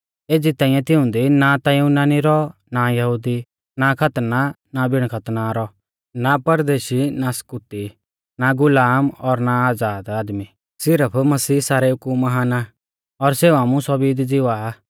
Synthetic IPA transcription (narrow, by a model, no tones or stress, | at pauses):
eːd͡ʒit̪aːɪ̃jɛ̃t̪ɪʊ̃nd̪inat̪aũnaːniɾɔ | najɐɦuːd̪i | nakʰɐt̪na | nabʱɪɽ̃kʰɐt̪naɾɔ | napɐɾd̪eːʃinaskut̪i | naɡʊlaːmɔɾnaaːd͡zaːd̪aːd̪mi | sɪɾəpʰmɐsiːsaːɾɛʊkuːɐɦaːna | ɔɾseːuaːmũsɔbiːd̪d͡zɪʋa